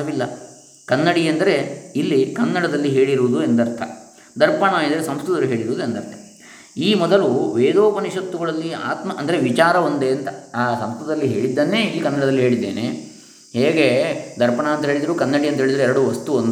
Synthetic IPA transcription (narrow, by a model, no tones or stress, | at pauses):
ɐʋilːɐ | kɐnːɐɽiɐnd̪ɐɾe̞ilːikɐnːɐɽɐd̪ɐlːiɦe̞ːɭiɾuʋud̪uend̪ɐɾt̪ʰɐ̰ | d̪ɐɾpɐɳɐːid̪ɐɾesɐmst̪ut̪ɐlːuɦe̞ːɭiɾuʋːd̪uend̪ɐɾt̪ʰɐ̥ | iːmɔd̪ɐluʋeːd̪oːpɐniʂɐt̪ːuɡɐɭɐlːia̰ːt̪mɐʔɐnd̪ɐɾeʋit͡ʃaːɾɐond̪e̞ɐnt̪ɐaːsɐmst̪ut̪ɐlːiɦe̞̰ːɭid̪ːɐnːe̞ːiːkɐnːɐɽɐd̪ɐlːiɦe̞ːɭid̪ːe̞̰ːnḛ | heːɡe̞d̪ɐɾpɐɳaːnt̪ɐɦeːɭid̪ɐɾuːkɐnːɐɽiɐnt̪ɐɦeːɭid̪ɐɾeɛɾɐɽuʋɐst̪uond̪u